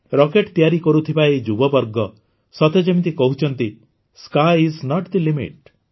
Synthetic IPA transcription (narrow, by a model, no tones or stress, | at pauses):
ɾɔkeʈt̪ijaɾikɔɾut̪ʰibaid͡ʒubɔbɔɾɡɔ | sɔt̪ed͡ʒemit̪̬ikɔɦut͡ʃʰɔnt̪i | skajisnɔʈd̪ilimḭʈ